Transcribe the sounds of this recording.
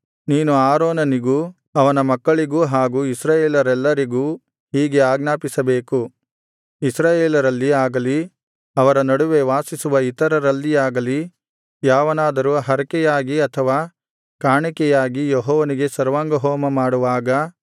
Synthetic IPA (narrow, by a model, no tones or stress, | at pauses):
niːnuaːɾoːnɐniɡuː | ɐʋɐnɐmɐkːɐɭiɡuːɦaːɡuːisɾaːjeːlɐɾɛlːɐɾiɡuː | ɦiːɡe̞aːɡnaːpisɐbe̞ːku | isɾaːjeːlɐɾɐlːiaːɡɐli | ɐʋɐɾɐnɐɽuʋe̞ʋaːsisuʋɐit̪ɐɾɐɾɐlːiaːɡɐli | jaːʋɐnaːd̪ɐɾuɦɐɾɐkɛjaːɡiɐt̪ʰɐʋaː | kaːɳikɛjaːɡijeɦɔːʋɐniɡe̞sɐɾʋaːŋɡɐɦɔːmɐmaːɽuʋaːɡɐ